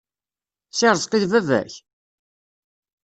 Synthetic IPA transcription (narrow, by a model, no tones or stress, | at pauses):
sɪɾˤzˤqiðvævæ̰ç